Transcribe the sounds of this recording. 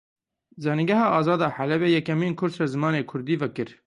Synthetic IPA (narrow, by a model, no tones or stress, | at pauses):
zɑːniɡɛɦɑːʔɑːzɑːd̪ɑːħalɛbeːjɛkɛmiːnkʰʊɾd̪sɾɛzɨmɑːneːkʰʊɾd̪iːvɛkɨɾ